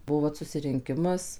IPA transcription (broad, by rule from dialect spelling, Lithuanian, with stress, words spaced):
ˈbuɔ ʋɐt sʊsʲɪrʲɪŋʲˈkʲɪmɐs